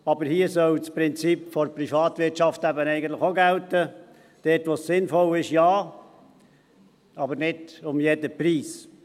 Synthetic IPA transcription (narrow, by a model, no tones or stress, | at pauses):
ɑbəɾhiəsœlt͡spɾɪnt͡sipfɔɾpɾifɑːt̪ʋɪɾtt͡ʃɑftæbənɛɪɡəntlɪxoɡæltə | d̥ɛːtʋosːɪnfɔlɪʃjɑː | ɑbəɾnɪdʊmjɛdəpɾiːs